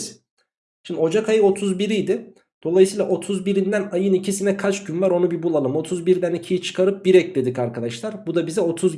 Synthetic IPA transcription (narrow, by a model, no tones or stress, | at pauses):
ʃɯmd̪o̞d͡ʒakʰajɯo̞t̪ʰuzbiɾijd̪ɪ | d̪̥o̞lˠajsɯjlˠaʔo̞t̪ʰuzbiɾind̪ænajɯnicʰisinɛkʰat͡ʃɟynvaɾo̞nubibulˠalˠɯmo̞t̪ʰuzbiɾd̪ænicʰijit͡ʃʰɯ̥kʰaɾɯp̚biɾɛc̚d̪e̞d̪icaɾkʰad̪aʃlˠaɾbud̪abizɛo̞t̪ʰuz